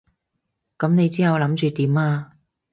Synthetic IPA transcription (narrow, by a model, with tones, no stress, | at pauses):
kɐ˨˥mne˨˧jt͡siː˥hɐ˨˧wlɐ˨˥mt͡ʃyː˧t̪iː˨˥maː˧